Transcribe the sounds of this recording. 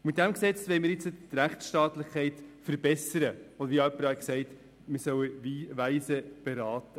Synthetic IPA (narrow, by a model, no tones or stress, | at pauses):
mɪt̚d̪æmksɛt͡sʋɛɪmɪːɾjɪt͡sətɾæχtsʃtɑːtlɪχkʰɛɪtfəɾbɛsəɾəɔd̪əɾʋiœpːəɾɑksɛɪt̪ | mɪsœwəviːvæɪsəb̥ɛɾɑːtə